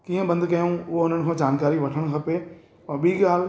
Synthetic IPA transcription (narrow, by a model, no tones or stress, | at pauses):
kiːẽbɐ̃nd̪kɐjõʋoʊnəɽ̃kʰõd͡ʒaːnkaːɾiʋɐʈʰəɽ̃kʰɐpe | ɔbʱikaːl